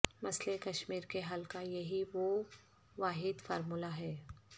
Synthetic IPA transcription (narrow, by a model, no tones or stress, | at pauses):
mɐslekɐʃmiːɾkeɦɐlkajɐɦiʋo | ʋaːɦɪd̪fɔ̰ːɾmulaɦɛː